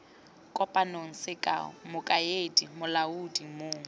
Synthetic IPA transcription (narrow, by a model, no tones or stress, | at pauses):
kʼɔpʼanoŋ̩sɪkʼa̰ʊ̰mʊkʼaedimʊlaudimoːŋ̩